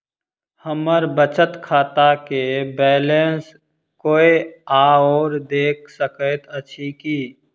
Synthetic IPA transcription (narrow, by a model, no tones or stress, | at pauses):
həməɾbət͡ʃət̪kʰaːt̪akebɛːlens | koːeaːoːɾd̪eːk̚ʰsəkət̪ət͡ʃʰikiː